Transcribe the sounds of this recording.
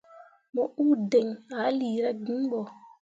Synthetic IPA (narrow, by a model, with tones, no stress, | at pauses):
mɔ˨ʔuː˦dɛ˨ŋa˨˦liː˨ɾa˦ɡi˨˦ɓɔ˨